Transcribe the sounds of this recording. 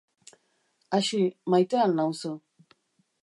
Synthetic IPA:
aʃimajtəalnãŋusə

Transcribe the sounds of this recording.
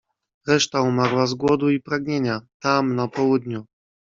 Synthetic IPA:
ɾɛʂt̪aumaɾwazɡwɔd̪uipɾaɡɲeɲat̪amnapɔwud̪ɲu

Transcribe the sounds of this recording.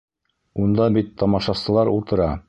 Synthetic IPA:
und̪ɑbit̪ʰːɑmɑʃɑsɤ̆lˠɑɾṵlˠt̪ɤ̆ɾɑ

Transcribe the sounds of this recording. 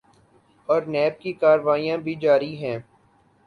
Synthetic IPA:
ɔːɾnɛːb̚kikaːɾʋaːijãbʱid͡ʒaːɾiɦɛ̃ː

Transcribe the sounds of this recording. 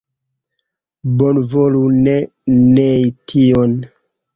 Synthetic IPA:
bonvolune | nejtʰion

